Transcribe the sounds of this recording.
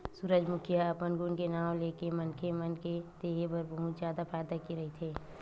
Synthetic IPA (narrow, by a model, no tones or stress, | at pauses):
suːɾəd͡ʒmʊkʰjaəpənɡunkenaːwleːkemənkemənked̪̥eːɦebəɾbəɦʊ̃t̪zjaːd̪apʰaːjd̪akiɾɐɦit̪ʰeː